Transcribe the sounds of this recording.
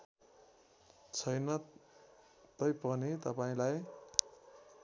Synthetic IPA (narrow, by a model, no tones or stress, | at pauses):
t͡sʰʌjnʌ | t̪ʌjpʌnit̪ʌpaĩlaj